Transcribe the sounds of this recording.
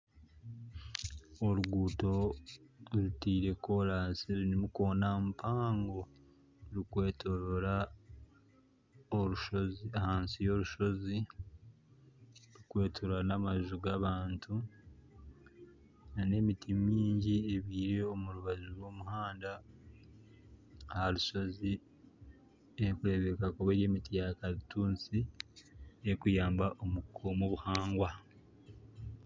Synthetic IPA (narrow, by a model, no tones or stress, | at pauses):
oɾuɡuːto̞ | ɾutiːɾe̞ko̞ɾaːsiɾnimuko̞ːnampʰaːŋɡo̞ | ɾukwe̞ːtʰoɾoɾa | oɾuʃo̞ziahaːnsijo̞ɾuʃo̞zi | ɾukwe̞ːtʰoɾanamaʒuɡaβaːntʰu | nane̞mitimiːɲɟieβiːɾe̞omuɾuβazuɾwo̞ːmuhaːnda | haɾuʃo̞zi | ekuɾe̞βekakoβeɾe̞ːmitijakaɾituːnt͡si | ekujaːmbaʔo̞mukomoβuhaːŋɡwa